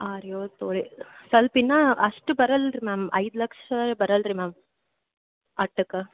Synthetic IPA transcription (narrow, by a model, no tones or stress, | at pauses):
aːɾjoːt̪oːɭisɐlpinːɐɐʂʈubɐɾɐlɾimaːmɐ̰jd̪lɐkʂɐɐbɐɾɐlɾimaːm | ɐʈːɨkːɐ